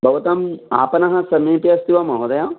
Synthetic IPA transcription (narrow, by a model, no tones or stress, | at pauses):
bʱɐʋɐt̪ɐma̰ːpɐnɐɦɐsɐmeːpiɐst̪iʋɐmɐɦod̪ɐja